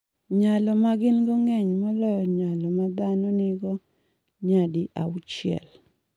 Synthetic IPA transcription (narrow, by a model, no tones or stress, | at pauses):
ɲalɔmaɡɪnɡɔŋɛɲmɔlɔjɔɲalɔmad̪anɔnɪɡɔ | ɲadɪʔa̰ʊt͡ʃɪɛ̰l